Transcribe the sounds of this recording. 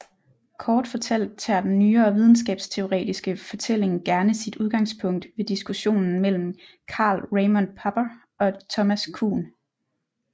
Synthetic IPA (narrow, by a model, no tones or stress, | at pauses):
kʰɒːd̥fɒ̽t͡sʰel̰d̥̚t͡sʰæɐd̥enːyːɐːʋið̞ˠn̩sɡ̥ɛ̰ːb̥st͡sʰe̝o̝ʁɛ̰ːd̥isɡ̥əfɒ̽t͡sʰel̰e̝ŋɡ̥æɐnəsid̥uð̞ˠɡ̥ɑ̈ŋspʰɔ̽ŋ̰d̥ʋe̝d̥isɡ̥uɕo̝̰ːnn̩mel̰m̩ | kʰɑ̰̈ːlʁeɪmɔnpʰɑ̈b̥ɐ | ɒ̽t͡sʰɒ̽mæskʰṵːn